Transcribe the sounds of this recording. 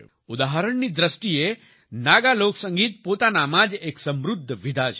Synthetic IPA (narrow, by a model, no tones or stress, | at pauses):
ud̪aɦəɾəɳniːd̪ɾəsʈije | naɡaloksə̃ŋɡiːt̪̚pot̪anamad͡ʒeksə̃mɾud̪ʱːʋid̪ʱad͡ʒ